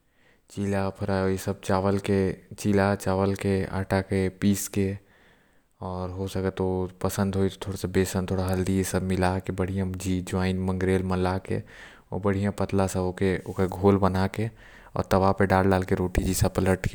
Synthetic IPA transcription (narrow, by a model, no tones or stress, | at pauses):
t͡ʃilapʰɐɾaojesəb̚t͡ʃaːʋəlket͡ʃilat͡ʃaːʋəlkea̰ːʈakepiːske | ɔːɾɦosɐkət̪ːopəsə̃nd̪ɦoːit̪ot̪ʰoːɽasabeːsə̃nt̪ʰoːɽaɦɐld̪ijesəbmɪlakebəɽ̤ijãd͡ʒiːd͡ʒoaːɪnmə̃ŋɡɾeːlməlakḛ | o̰bəɽ̤ijãpət̪lãsaokeoːkeɡʱoːlbənake | ɔ̰ːɾt̪ɐʋapeɖaːlɖaːlkeɾoːʈid͡ʒisapələʈke